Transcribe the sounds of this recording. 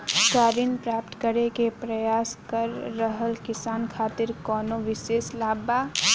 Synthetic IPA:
kaːɾinpɾaːpt̪kəɾekepɾəjaːskəɾːəɦəlkɪsaːnkʰaːt̪iɾkɔːnoʋɪseːslaːba

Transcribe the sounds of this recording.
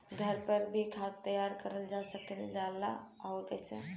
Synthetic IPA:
ɡʱəɾpəɾbʱikʰaːt̪ːəjaɾkəɾəld͡ʒasəkəld͡ʒala̰ɔːɾkɛsḛ

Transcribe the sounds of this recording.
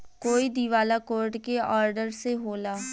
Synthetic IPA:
koːid̪iʋaːlakoːɾʈkeɔːɾɖəɾseɦoːlaː

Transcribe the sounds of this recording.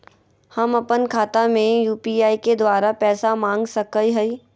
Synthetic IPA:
hɐmɐpənkʰaːt̪amẽjuːpiaːiked̪waːɾapɛːsamãːŋɡsɐkəiɦɐiː

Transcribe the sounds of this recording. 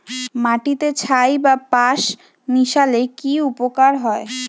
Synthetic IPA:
maʈit̪et͡ɕʰajbapaʃ | niʃalekiupokaɾɦɔe

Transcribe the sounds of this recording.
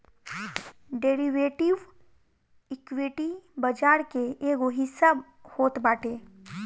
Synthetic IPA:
ɖeːɾiʋeːʈɪʋ | ɪkʋeːʈibəd͡ʒaːɾkeeːkoɦɪsa | hoːt̪baːʈʰeː

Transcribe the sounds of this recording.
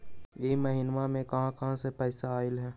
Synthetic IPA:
jeːmɐɦinʋamẽkɐɦãkɐɦãsepɛːsaːɪlɦɛː

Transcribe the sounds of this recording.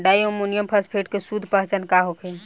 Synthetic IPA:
ɖajomunijəmpʰəspʰeʈkesud̪ʱpəɦt͡ʃənkaɦokʰe

